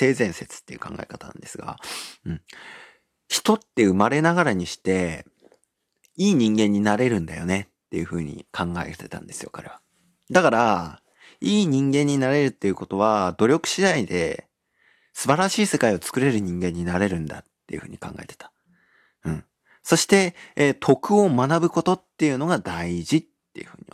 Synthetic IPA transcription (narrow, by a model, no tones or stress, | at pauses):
t̪e̞ːzẽ̞ɰ̃se̞t͡sɨ̥t̪ːeiɯ̟̰kã̰ŋɡa̰e̞̰kat̪anã̰nd̪esɨɡa̰ɯ̟̃ɴ | çi̥t̪o̞t̪ːe̞ɯ̟maɾe̞naɡaɾaɲ̟iɕi̥t̪e̞ | iːɲ̟ĩŋɡẽ̞ɲ̟ːinaɾe̞ɾɯ̟̃nd̪ajo̞ne̞t̪ːe̞jɯ̟ɸɯ̟ːɲ̟ḭkʰãŋɡaet̪et̪ã̰nd̪e̞sɨjo̞̰kaɾe̞βa | d̪akaɾa | iːɲ̟ĩŋɡẽ̞ɲ̟ːinaɾe̞ɾɯ̟t̪ːe̞jɯ̟ko̞t̪o̞βad̪̥o̞ɾʲo̞kɯ̟̥ɕid̪aid̪e̞̰ | sɨbaɾaɕiːse̞kaio̞t͡sɨ̥kɯ̟ɾe̞ɾɯ̟ɲ̟ĩŋɡẽ̞ɲ̟ːinaɾe̞ɾɯ̟̃nd̪a̰t̪ːe̞jɯ̟ɯ̟ːɲ̟ikã̰ŋɡa̰et̪et̪ḁ | ɯ̟̃ɴ | so̞ɕi̥t̪e̞t̪ʰo̞kɯ̟o̞manabɯ̟ko̞t̪o̞t̪ːe̞jɯ̟no̞ɡad̪aiʑit̪ːe̞jɯ̟ɸɯ̟ːɲ̟i